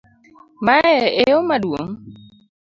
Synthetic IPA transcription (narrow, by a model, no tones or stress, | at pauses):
maɛejomadwo̰ŋ